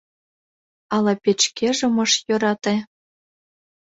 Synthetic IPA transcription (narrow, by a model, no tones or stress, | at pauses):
ɑlˠɑpʲet͡ɕkʲeʒĕmɤ̆ʃjŏɾɑt̪e